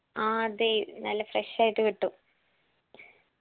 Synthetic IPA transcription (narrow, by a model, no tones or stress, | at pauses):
aːd̪enɐlːɐfreʂaːjiʈːɨkiʈːu